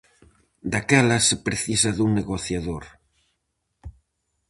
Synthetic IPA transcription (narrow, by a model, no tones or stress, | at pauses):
d̪akɛlɐsepɾeθisɐðuŋneɣoθjaðoɾ